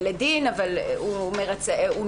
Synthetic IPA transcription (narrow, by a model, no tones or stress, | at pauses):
led̪inavalumeʁat͡seu